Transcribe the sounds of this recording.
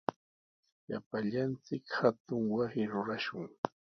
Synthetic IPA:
ja̰paʎant͡sɪkhat̪ʊŋwasɪɾʊɾaʃʊŋ

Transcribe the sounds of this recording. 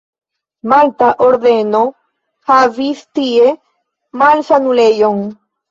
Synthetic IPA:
malt̪aʔoɾðeno | havist̪ie | malsanulejoŋ

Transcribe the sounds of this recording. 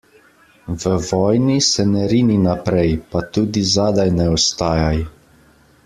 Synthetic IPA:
ʋəʋɔːjnisɛnɛɾiːninapɾɛjpat̪uːd̪izaːd̪ajnɛɔst̪aːjaj

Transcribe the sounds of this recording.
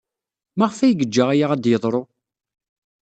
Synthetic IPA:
maʁfæjɡəd͡ʒːəʁæjaʁæd̪jəðˤɾˤo

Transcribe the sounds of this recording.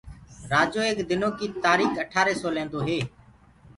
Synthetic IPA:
ɾaːd͡ʒoːeːkd̪ɪnoːkiːt̪aːɾiːkəʈʰaːɾeːsoːlẽːnd̪oːɦeː

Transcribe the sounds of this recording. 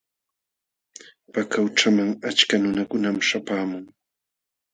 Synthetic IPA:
pakawʈ͡ʂamaŋat͡ʃkanʊnakʊnamʃapaːmʊŋ

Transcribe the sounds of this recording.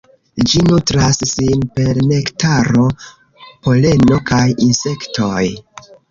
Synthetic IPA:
d͡ʒinutɾasːinpe̞ɾne̞ktaɾo̞ | po̞le̞no̞kajinse̞kto̞j

